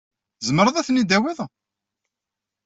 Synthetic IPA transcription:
zəmɾˤəðˤæθnːid̪æwiðˤ

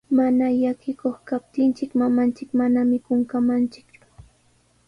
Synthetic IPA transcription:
manajakɪkoχkap̚t̪ɪnt͡ʃɪkmamant͡ʃɪkmanamɪkʊŋkamant͡ʃɪ̥kt͡ʃʊ̥

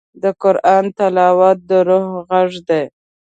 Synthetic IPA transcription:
d̪əqʊɾʔɑnt̪alɑwɑt̪̚d̪əɾohɣaʐd̪ej

